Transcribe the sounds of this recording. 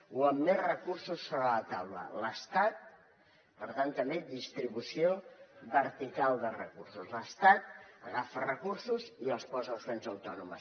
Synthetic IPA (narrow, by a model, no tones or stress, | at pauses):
uəmːezrəkursusːoβɾələt̪awlə̰ləst̪at̪̚ | pəɾt̪ant̪əmed̪ist̪ɾiβusioβəɾt̪ikalˠd̪ərəkursuzləst̪at̪̚ə̰ɣafərəkursuziəlˠspɔzəəlˠzβɛnzəwt̪ɔnumə̰s